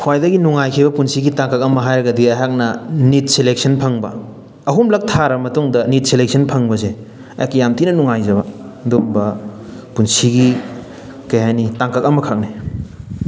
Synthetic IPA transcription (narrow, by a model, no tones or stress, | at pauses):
hʰwajdɐɡinuŋajkʰibɐpunsiɡitaŋkɐk̚ɐmɐɦajɾɐɡɐdiɐjɦak̚nɐnit̚silek̚sʰɐnpʰɐŋbɐ̰ | ɐɦumlɐk̚tʰaɾɐmɐtuŋdɐnit̚silek̚sʰɐnpʰɐŋbɐze | ɐ̰jakjamtʰinɐnuŋajzɐbɐdombɐpunsiɡi | kɐjɦajnitaŋkɐkɐmɐkʰak̚ni